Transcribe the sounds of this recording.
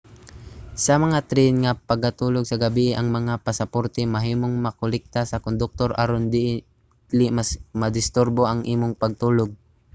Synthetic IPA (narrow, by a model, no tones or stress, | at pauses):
sɐmɐŋat̪ɾɛnŋɐpɐɡɐt̪uːloɡ̚sɐɡɐbiːʔɪʔɐŋmɐŋapɐsɐpoɾt̪ɛmɐɦiːmoŋmɐkolɛk̚t̪asɐkond̪ʊk̚t̪oɾʔaɾond̪ɪʔ | lɪmasmɐd̪ɪst̪ʊɾboʔɐŋʔiːmoŋpɐɡ̚t̪uːloɡ̚